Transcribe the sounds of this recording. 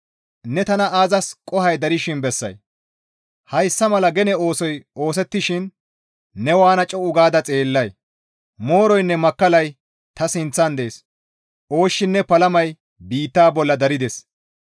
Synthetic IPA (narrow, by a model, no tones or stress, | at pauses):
nɛt̪ɐnɐʔaːzɐskʼɔhɐjd̪ɐɾɪʃɪnbɛsːɐ̰j | hɐjsːɐmɐlɐɡɛnɛo̞ːsɔjo̞ːs̬ɛt̪ːɪʃɪnː | ɛwaːnɐt͡ʃʼɔʊɡaːd̪ɐt͡sʼeːlːɐj | mo̞ːɾɔjnːɛmɐkːɐlɐj | t̪ɐsɪnt͡sːɐnd̪eːs | ʔo̞ːʃːɪnːɛpɐlɐmɐj | biːt̪ːaːbɔlːɐd̪ɐɾɪd̪ɛs